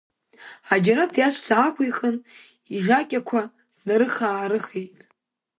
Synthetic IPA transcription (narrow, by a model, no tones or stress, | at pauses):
ad͡ʒaɾadʰjaʃʷsaːkʷʰijχʼən | iʒʲakʲʼakʷʰa | d̥naɾɨχaːɾɨχejtʼ